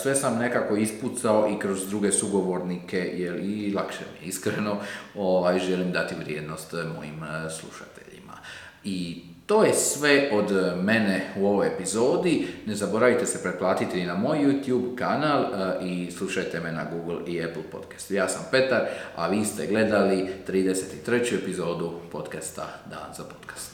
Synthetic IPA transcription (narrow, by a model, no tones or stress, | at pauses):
sʋe̞samnekako̞isput̪sao̞ʔikɾo̞zd̪ɾuːɡe̞suɡo̞ʋo̞ɾnike̞jelilˠakʃḛmḭjeiskɾeno̞oʋajʒe̞limd̪at̪iʋɾjeːd̪no̞st̪mo̞̰jḭmslˠṵʃat̪eʎḭma̰ | i | t̪o̞ːjesʋe̞o̞d̪me̞ne̞uo̞ʋojepizo̞ːd̪ine̞zabo̞ɾaʋit̪e̞se̞pɾeplˠaːt̪it̪einamo̞jːut̪juːbkanaːlislˠuʃajt̪e̞mena̰ɡuːɡl̩ˠiepl̩po̞̰t̪kḁst̪jaːsampe̞t̪aɾa̰ʋiːst̪e̞ɡle̞d̪alit̪ɾiːd̪e̞se̞t̪it̪ɾe̞t͡ɕue̞pizo̞ːd̪upo̞t̪kast̪a̰d̪a̰ːnz̥apo̞̥t̪kḁst̪